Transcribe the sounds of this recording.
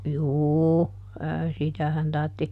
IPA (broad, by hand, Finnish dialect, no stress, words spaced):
juː ə sitæhæn tɑrtːi